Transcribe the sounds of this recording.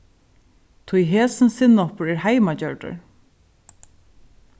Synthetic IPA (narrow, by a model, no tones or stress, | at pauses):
t̪ʰujɦeːsɪnsɪnɔpəɹɛɹhajmat͡ɕœɹɖə̰ɹ